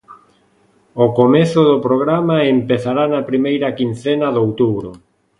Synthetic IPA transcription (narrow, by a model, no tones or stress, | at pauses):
ʊkomeθʊðʊpɾoɣ̞ɾamaempeθaɾanapɾimejɾɐkin̟θenɐðowt̪uβɾʊ